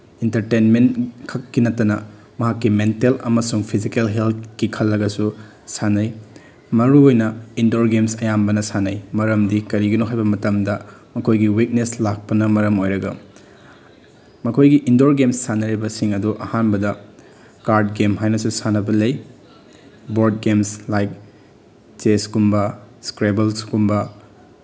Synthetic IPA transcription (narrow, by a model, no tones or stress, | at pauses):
intɐɾtenmenkʰɐkːinɐtːɐnɐ | mɐɦakːimentelɐ̰mɐsuŋpʰizikelɦelt̚kikʰɐlːɐɡɐsu | sanɐj | mɐɾuojnɐindoɾɡemsɐjambɐnɐsanɐjmɐɾɐmdikɐɾiɡɐnuɦajbɐmɐtɐmdɐmɐkʰojɡiwik̚neslak̚pɐnɐmɐɾɐmojɾɐɡɐ | mɐkʰojɡiʔindoɾɡemsːanɐɾibɐsiŋɐduʔɐhanbɐdɐ | kaɾd̚ɡemɦajnɐsusanɐbɐlej | boɾd̚ɡemslajk̚ | t͡ʃeskumbɐskɾebelskumbɐ